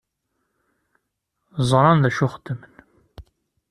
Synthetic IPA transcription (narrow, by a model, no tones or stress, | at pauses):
zˤɾˤɑnðæʃʊχəd̪ːəmən